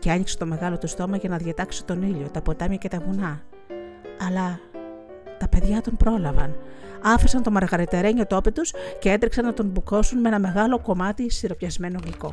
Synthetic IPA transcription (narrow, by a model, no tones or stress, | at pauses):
ceɐɲikset̪o̞me̞ɣɐlo̞t̪ust̪o̞mɐʝɐnɐðʝɐt̪ɐkse̥t̪o̞niʎo̞t̪ɐpo̞t̪ɐmjɐce̞t̪ɐvunɐː | lɐ | t̪ɐpe̞ðʝɐt̪o̞npɾo̞lɐvɐnɐfisɐnt̪o̞mɐɾɣɐɾit̪eɾeɲo̞t̪o̞pit̪usce̞e̞t̪ɾiksɐnːɐt̪o̞nbuko̞sunmee̞nɐme̞ɣɐlo̞ko̞mɐt̪isiɾo̞pçɐzme̞no̞ɣliko̞̰